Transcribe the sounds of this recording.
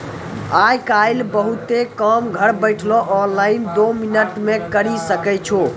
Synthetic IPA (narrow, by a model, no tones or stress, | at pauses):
ajkajlbəɦut̪ekəmɡʱəɾbəɪʈʰloʔɔnlaɪnd̪ominəʈmekəɾisəkɛt͡ʃʰo